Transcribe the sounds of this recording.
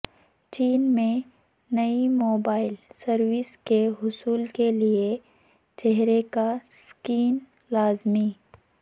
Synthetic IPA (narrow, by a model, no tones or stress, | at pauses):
t͡ʃiːnmẽ | nɐimoːbaːɪlsɐɾwɪskeɦʊsuːlkelie | t͡ʃɛɦɾekaskiːn | laːzmi